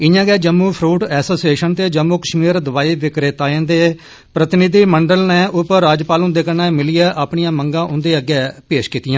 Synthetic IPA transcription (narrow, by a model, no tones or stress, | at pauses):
ɪjãːɡɛːd͡ʒəmːũːpʰɾuːʈɛːsoːsieːʃənt̪eːd͡ʒəmːuːkəʃmiːɾd̪əʋaːiːʋɪkɾeːt̪aːẽnd̪eː | pɾət̪ɪnɪd̪iːməɳɖəlnɛ̃ːʔʊpəɾːaːd͡ʒpaːlũːd̪eːkənɛːmɪliɛːʔaːpɳijãːməŋɡãːʔʊ̃nd̪eːəɡɛːpeːʃkiːt̪ɪjãː